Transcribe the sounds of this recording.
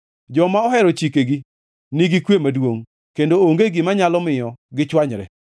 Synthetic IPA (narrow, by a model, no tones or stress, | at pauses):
d͡ʒɔmaɔhɛɾɔt͡ʃikeɡi | niɡikwemadwoŋ | kendooŋɡeɡimaɲalɔmɪjɔɡɪt͡ʃwaɲɾɛ̰